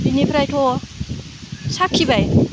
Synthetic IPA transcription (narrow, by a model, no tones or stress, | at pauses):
dinipʰɾajtʰo | sakʰːibaj